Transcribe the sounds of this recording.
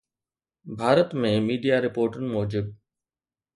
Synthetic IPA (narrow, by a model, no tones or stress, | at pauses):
bʱaːɾət̪mẽmiːɖijaːɾɪpoːɾʈənɪ̆moːd͡ʑɪb̚